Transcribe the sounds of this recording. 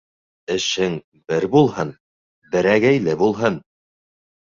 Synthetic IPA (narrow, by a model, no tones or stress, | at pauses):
ɘ̆ʃhɘŋ | bɘɾbulˠhɤn | bɘ̆ɾæɡæjlɘbulˠɦɤn